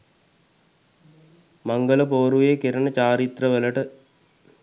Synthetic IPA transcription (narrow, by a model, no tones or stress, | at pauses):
maŋɡələpoːɾujekiɾənət͡ɕaːɾit̪rəʋələʈə